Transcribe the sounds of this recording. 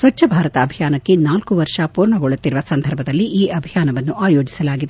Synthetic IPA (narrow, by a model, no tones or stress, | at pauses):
sʋɐt͡ʃːʃɐbʱaːɾɐt̪ɐːbʱijaːnɐkːe̞naːlkuʋɐɾʂɐpuːɾɳɐɡɔɭut̪ːiɾuʋɐsɐnd̪ʱɐɾbʱɐd̪ɐlːiʔiːɐbʱijaːnɐʋɐnːuʔaːjoːd͡ʒisɐlaːɡid̪e